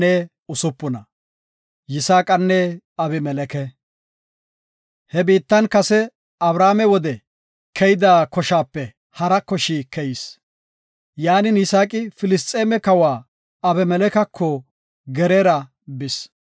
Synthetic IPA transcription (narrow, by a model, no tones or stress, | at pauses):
ɛ | ʊsʊpːʊnɐ̰ | jɪsaːkʼɐnːɛ | ɐbɪmɛlɛkɛ | hɛbiːt̪ːɐnkɐsɛ | ɐbɾaːmɛwɔd̪ɛ | kʰɛjɪd̪aːkɔʃaːpːɛ | hɐɾɐkːɔʃiːkɛjɪs | jaːnɪnɪsaːkʼɪfɪlɪst̪ʼːeːmɛkɐwaː | ɐbɛmɛlɛkɐkʰːɔ | ɡɛɾeːɾɐ | bɪs